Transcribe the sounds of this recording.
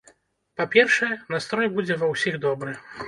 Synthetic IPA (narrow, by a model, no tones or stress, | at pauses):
papʲɛrʂɛjɛnast̪ɾɔjbud͡zʲɛvɐwsʲiɣd̪ɔbɾɨ